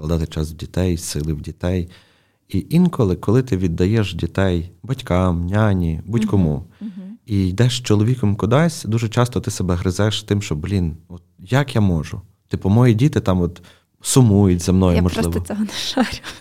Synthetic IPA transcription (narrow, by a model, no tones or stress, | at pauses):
lˠɐd̪ɑt̪ɪt͡ʃɑswdʲit̪ɛjsɪlˠɪwdʲit̪ɛj | iʔinkɔlˠɪkɔlˠɪt̪ɪʋʲid̪ːɐjɛʃdʲit̪ɛjbɐtʲkɑmnʲanʲibutʲkɔmu | ijd̪ɛʃt͡ʃɔlˠɔʋʲikɔmkʊd̪ɑsʲd̪uʒɛt͡ʃɑst̪ɔt̪ɪsebɛɦɾɪzɛʃt̪ɪmʃt͡ʃɔblʲinɔt̪̚jakjamɔʒʊ | t̪ɪpɔmɔjidʲit̪ɪt̪ɑmɔt̪ | sʊmujʊtʲzɐmnɔjʊmɔʒlˠɪʋɔɔɦɔnɛʃɑɾʲʊ